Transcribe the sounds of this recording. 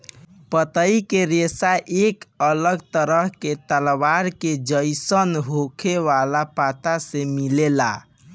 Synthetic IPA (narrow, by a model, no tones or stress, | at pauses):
pət̪əikeɾesaʔekələɡt̪əɾəɦket̪əlbaɾked͡ʒəjsənɦokʰeʋalapat̪asemilela̰